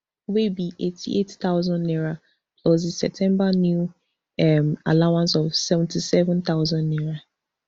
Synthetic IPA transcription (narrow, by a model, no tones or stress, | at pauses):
webiʔetʰḭʔettaʊzɔ̃nːɛɹa | kʰlozisɛp̚tʰɛ̃mbanju | ɛma̰lawãnsɔvsɛvɛ̃ntʰisɛvɛ̃nt̪aʊzãnːɛɹa